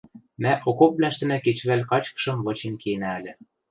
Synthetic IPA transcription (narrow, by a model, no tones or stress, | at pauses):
mæʔokop̚βlæʃt̪ɘ̆næket͡ɕβælʲkɑt͡ɕkɤ̥̆ʃɤ̆mβɤ̆t͡ɕenkenæælʲĕ